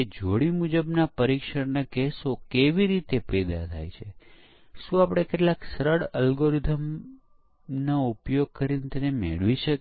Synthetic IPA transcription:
ed͡ʒoɽimud͡ʒəbnapəɾikʃəɾnakesokeʋiɾit̪epɛd̪a̰t̪ʰa̰jt͡ʃʰe | ʃũapɽ̃ekeʈlaksəɾəɽəlɡoɾid̪ʱəm | noupjoɡ̚kəɾint̪ənemḛɭʋiʃək

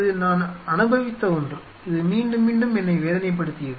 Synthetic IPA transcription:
ðɯnaːnɐnɯbɐʋɪt̪ːɐʊndrɯ | ɪðɯmiːɳɖɯmːiːɳɖɯmɛnːɐɪʋeːðɐnɐɪp̬ːɐɽɯt̪ːɪjɐð

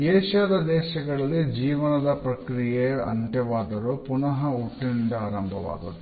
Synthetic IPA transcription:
eːʃaːd̪ɐd̪ɛːʃɐɡɐɭɐlːid͡ʒiːʋɐnɐd̪ɐpɾɐkɾijeɐ̰ɳʈ̪ɛʋaːd̪ɐɾupunɐɦɐuʈːinɖ̪aːɾɐmbʱɐʋa̰ːɡɐd̪u

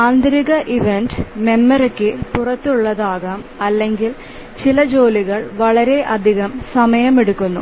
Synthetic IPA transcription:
aːnd̪ɾiɣɐʔiʋenɖme̞mːɐɾɐkːɨpurɐt̪ːuɭːɐðaːɣaːmɐlːe̞ŋɡil | t͡ɕilɐd͡ʑo̞ːliɣɐɭʋɐɭɐɾe̞ʔɐd̪ʱiɣɐmsɐmɐjɐmeɽukːunːṵ

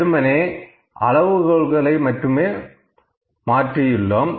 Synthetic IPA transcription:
ɾɯmɐneː | ɐ̰ɻɐʋɯɣɔɭɣɐɭɐɪmɐʈrɯmeː | maːʈrɪjɪlːom

